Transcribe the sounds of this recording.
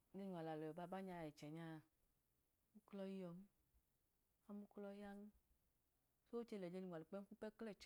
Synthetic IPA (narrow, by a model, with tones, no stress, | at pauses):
ɲe˧ɲ˨a˨la˨lɔ˨ɔ˨ba˦˨ba˦ɲa˧˨jɛ˨t͡ʃɛ˨ɲa˧˨˦ | mu˦klɔ˧ji˦jɔ˨m˦ | a˦mu˦klɔ˧ji˦a˦ŋ̩˦ | so˦wo˦t͡ʃe˧˨lɛ˨d͡ʒe˧ɲi˨ŋʷ˨a˨li˨k͡pɛ˦m˦ku˦pɛ˦klɛ˦˨t͡ʃ